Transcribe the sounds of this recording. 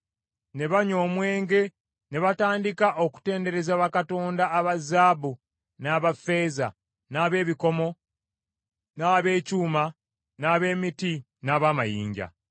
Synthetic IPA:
ne̞βaɲo̞ːmwe̞ːŋɡe̞ | ne̞βataːndikaʔo̞ku̥te̞ːnde̞ɾe̞zaβakato̞ːndaːβazaːbu | naːβafe̞ːza̰ | naːβe̞ːβiko̞mo̞ | naːβe̞ːcuːma | naːβe̞ːmiti | naːβaːmajḭːɲɟa̰

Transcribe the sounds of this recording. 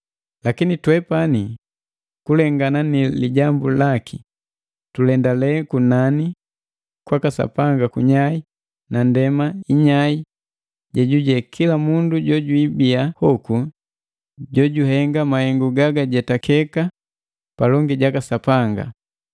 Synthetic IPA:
lakinitwɛpani | kulɛŋɡananiliɟambulaki | tulɛndalɛkunani | kwakasa̰paŋɡakuɲai | nandɛmaiɲai | ɟɛɟuɟɛkʰilamunduɟɔɟuibiahɔku | ɟɔɟuɦɛŋɡamahɛŋɡuɡaɡaɟɛtakɛka | palɔŋɡiɟakasapaŋɡa̰

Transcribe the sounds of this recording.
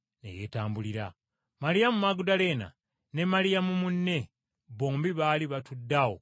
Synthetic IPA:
ne̞̰jeːtaːmbuliɾa | malijamumaɡudale̞ːna̰ | ne̞malijamumunːe̞ | βoːmbiβaːliβatudːawo̰

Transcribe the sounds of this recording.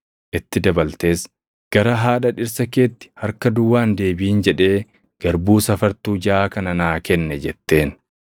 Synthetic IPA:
ʔɪt̪ːɪd̪ɐbɐlt̪e̞ːs | ɡ̥ɐɾɐɦaːᶑɐᶑɪɾsɐke̞ːt̪ːɪ̥hɐɾkɐd̪ʊwːaːnd̪e̞ːbɪiːnd͡ʒɛᶑe̞ː | ɡ̥ɐɾbuːsɐfɐɾt̪uːd͡ʒaːkɐnɐnaːkɛnːɛd͡ʒɛt̪ːe̞ːn

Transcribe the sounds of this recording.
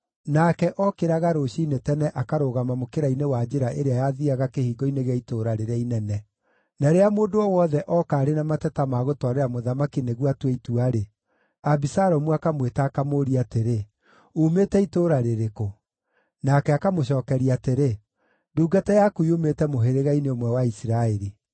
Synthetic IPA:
nakɛʔɔkeɾaɣaɾoɕiinetɛnɛʔakaɾoɣamamokeɾainewad͡ʒeɾaʔeɾeajaðiaɣakehiːɡɔineɣaitoɾaɾeɾeainɛnɛ | naɾeamoːdoɔwɔðɛʔɔkaːɾenamatɛtamaɣotwaɾeɾamoðamakineɣwatweituaɾe | abisaɾɔmuakamwetaːkamoːɾiateɾe | umetɛitoɾaɾeɾeko | nakɛakamoɕɔːkɛɾiateɾe | duːɡatɛjakuiumetɛmoɦeɾeɣaineomwɛwaisiɾaɛɾi

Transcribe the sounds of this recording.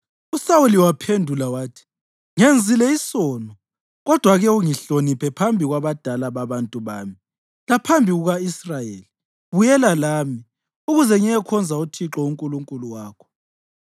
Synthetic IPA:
usawuliwapʰendʱulawaːtʰi̥ | ŋend͡zʱilɛisɔːnɔ | ɣɔd̥ʱwaɣɛuŋiɬonipʰɛpʰambʱiɣwaβad̥ʱalaβaβantʼuβaːmi | lapʰambʱiɣuɣaisrajeli | βujɛlalaːmi | uɣuzɛŋɛɛkʰɔnd͡zʱautʰiǁɔuŋkʼuluŋkʼuluwaːkʰɔ̥

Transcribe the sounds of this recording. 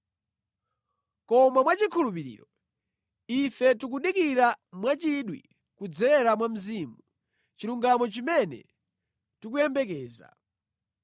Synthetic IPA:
kɔmamwat͡ʃikʰulup̬iɾḭːɾɔ | ifɛtuk̬uɗikiɾamwat͡ʃiɗwḭ | kud͡zɛɛɾamwam̩ziːmu | t͡ʃiɾuŋɡamɔt͡ʃimɛnɛ̰ | tik̬ujɛmbɛk̬ɛːza̰

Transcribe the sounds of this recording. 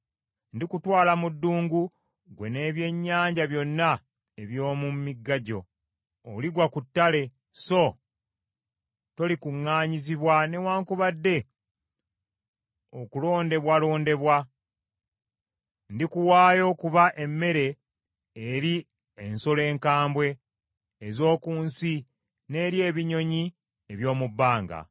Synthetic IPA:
ndikutwaːlamudːuːŋɡu | ɡwe̞ne̞ːβje̞ɲːaːɲɟaβjo̞nːa | eβjo̞ːmumiɡːaɟo̞̰ː | liɡwakutːale̞ | so̞ | to̞likuŋːaːɲiziβwane̞waːŋkuβadːe̞ | okulo̞ːnde̞βwalo̞ːnde̞βwa | ndikuwaːjo̞kuβaʔe̞mːe̞ɾe̞ː | ɾi | enso̞le̞ːŋkaːmbwe̞ː | zo̞ːkuːnsi | ne̞ːɾje̞ːβiɲo̞ɲi | eβjo̞ːmubːaːŋɡa̰

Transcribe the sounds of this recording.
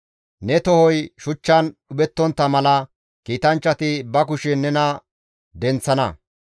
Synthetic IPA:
nɛt̪ɔhɔjʃʊt͡ʃːɐnɗʊbɛt̪ːɔnt̪ːɐmɐlɐ | kiːt̪ɐnt͡ʃːɐt̪ɪbɐk̬ʊʃɛnɛnɐ | d̪ɛnt͡sːɐnɐ̰

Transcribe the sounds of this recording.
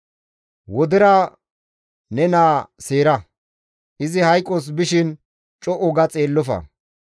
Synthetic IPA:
wɔd̪ɪɾɐ | nɛnaːseːɾɐ | ʔɪzɪhɐjkʼːos̬bɪʃɪn | t͡ʃʼɔʔɔɡɐt͡sʼe̞ːlːɔfɐ̰

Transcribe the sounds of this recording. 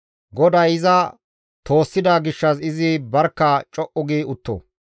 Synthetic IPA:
ɡɔd̪ɐjɪzɐ | t̪o̞ːsːɪd̪aːɡɪʃːɐsɪzɪbɐɾkːɐt͡ʃʼɔʔɔɡiːʊt̪ːɔ̰

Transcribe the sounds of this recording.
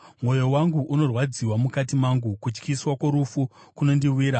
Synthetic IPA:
mwo̞jo̞waŋɡuʔuno̞rwad͡ziwamukat̬imaŋɡukut͡ʃkiswako̞ɾufukuno̞ndiwiːɾa

